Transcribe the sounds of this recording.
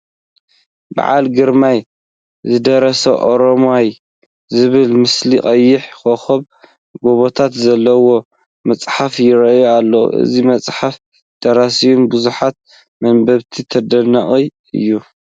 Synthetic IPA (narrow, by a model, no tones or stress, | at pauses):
ba̰ʕa̰lɡɨɾmaj | zɨd̪ɐɾɐsɐʔoɾomoaj | zɨβɨlmɨsliqʼɐjːɪħkoxɐβ | ɡoβot̪ʰat̪zɐlːɐwo̞ | mɐt͡sʼħafjɪɾɐjalːo̰ʔɨ̰zimɐt͡sʼħaf | d̪̥ɐɾasijumbɨzuħat̪̚ | mɐnbɐβt̪ʰit̪ʰɐd̪ɐnɐχʼi | ɨ̰jːu